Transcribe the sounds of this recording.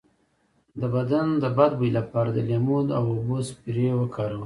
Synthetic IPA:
d̪əbad̪and̪əbad̪bujlapɑɾad̪əlemud̪awobospiɾewakʰɑɾawə

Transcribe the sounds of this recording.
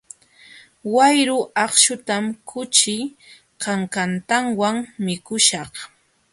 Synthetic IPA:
wajɾʊɑχʃʊt̪amkʰʊt͡ʃɪ | kɑŋkant̪aŋwaŋmɪkʊʃɑχ

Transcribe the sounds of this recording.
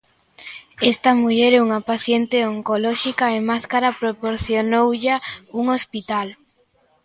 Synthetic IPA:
ɛst̪amuʎeɾɛuŋapaθjent̪eoŋkolɔʃikaemaskaɾapɾopoɾθjonowʎauŋospit̪al

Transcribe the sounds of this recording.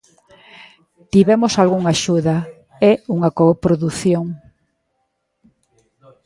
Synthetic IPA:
t̪iβɛmosalɣuŋaʃuðɐ | ɛuŋɐkopɾoðuθjoŋ

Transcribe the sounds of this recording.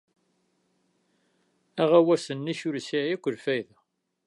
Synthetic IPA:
æʁæwæsənːiçʊɾsiʕækʷːəɾfæjð

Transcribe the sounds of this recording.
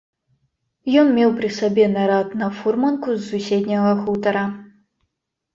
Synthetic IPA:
jɔnmʲɛwpɾɨsɐbʲɛnɐɾat̪nɐfurmɐnkuzːusʲed̪ʲnʲɐɣɐxut̪ɐɾɐ

